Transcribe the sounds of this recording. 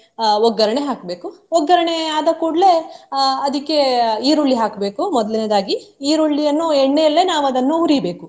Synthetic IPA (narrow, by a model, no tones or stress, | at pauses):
ɔɡːɐɾɐɳeɦaːkbe̞ːkuɔɡːɐɾɐɳeaːd̪ɐkuːɽle̞ɐd̪ikːe̞iːɾoɭːiɦaːkbe̞ːkumɔd̪ɐlɐned̪aːɡiiːɾuɭːijɐnːueɳːejɐlːe̞naːʋuɐd̪ɐnːuɦuɾibe̞ːku